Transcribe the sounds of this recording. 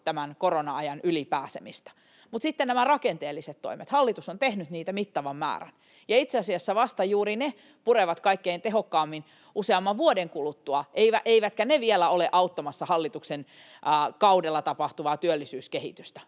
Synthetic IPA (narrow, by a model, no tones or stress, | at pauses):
t̪æmænkoronɑɑjɑnylipæːsemist̪ɑ̥ | mut̪sit̪ːennæmærɑkent̪eːlːiset̪t̪o̰imet̪hɑlːit̪usont̪ehnyt̪niːt̪æmit̪ːɑʋɑmːæ̰ːræ̰n | jɑit̪seɑsiɑsːæʋɑst̪ɑjuːrine | pureʋɑt̪kɑikːeint̪eɦokːɑːmːin | ʔuseɑmːɑʋʋuodeŋkulut̪ːuɑʔeiʋæ̰ʔeiʋæt̪kæneʋielæoleʔɑut̪ːɑmɑsːɑhɑlːit̪uksenː | kɑudelːɑt̪ɑpɑht̪uʋɑt̪yølːisyːskehḭt̪yst̪æ̥